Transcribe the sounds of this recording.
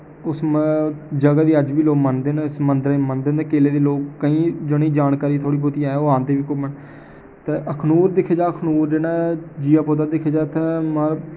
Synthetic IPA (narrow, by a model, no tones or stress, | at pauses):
ʊs | d͡ʒəɡaːd̪iːəd͡ʒbiːloːɡmənd̪eːnɪsmənd̪ɾamənd̪eːnd̪eːkeːleːd̪iːloːkːəĩːd͡ʒoːniːd͡ʒaːnkaːɾiːt̪ʰoːɽiːboːt̪iaːɛoːãːnd̪eːʋiːkʊbəɳ | t̪eːʔəkʰnuːɾd̪ɪkʰeːd͡ʒaːəkʰnuːɾd͡ʒeːnãːd͡ʒiːaːpoːt̪̬aːd̪ɪkʰeːd͡ʒaːt̪amə